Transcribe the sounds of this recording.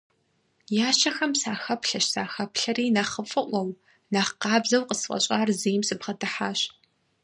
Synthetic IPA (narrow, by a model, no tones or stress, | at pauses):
jaːɕɐxɐmsaːxɐpʰɬɐʃsaːxɐpɬɐriːnɐχəfʼɨʔʷɔw | nɐχqɑːbzɐwqəsfʷʼɐ̰ɕʼaːrzijmsɨbʁɐdɨħaːɕ